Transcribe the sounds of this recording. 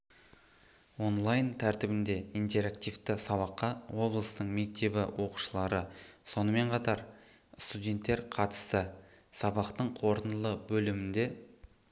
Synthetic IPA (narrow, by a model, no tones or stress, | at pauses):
wo̞nlˠajnt̪ʰæɾt̪ɪbɪnd̪e̞ijnt̪e̞ɾakt̪ijft̪ɪsɑβɑqːɑwo̞blˠəst̪əɴme̞k̚t̪e̞bɪwʔo̞qu̥ʃəlˠɑɾəso̞nəme̞ɴqʰɑt̪ɑɾ | st̪udʲe̞nt̪ːe̞ɾqʰɑt̪ə̥st̪ə | sɑbɑqt̪əɴqʰo̞ɾənəlˠəbɵlɪmɪnd̪e̞